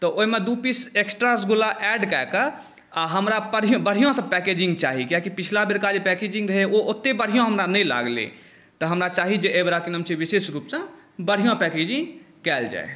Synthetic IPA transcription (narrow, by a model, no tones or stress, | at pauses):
t̪ɔʔoimed̪upiseksʈɾasɡulaʔɛɖkɛekə | aɦəmɾapəɽ̤ijõbəɽ̤ijõsə̃pɛked͡ʒĩŋɡ̚t͡ʃaɦikjakipit͡ʃʰlabeɾkad͡ʒpɛked͡ʒĩŋɡɾəɦeoʔot̪ːebəɽ̤ijõɦəmɾanɛjla̰ɡlḛ | t̪ɔɦəmɾat͡ʃaɦid͡ʒeʔebɾakinəmt͡ʃʰiʋisesɡɾupsə̃bəɽ̤ijõpɛked͡ʒĩŋɡ | kɛld͡ʒa̰e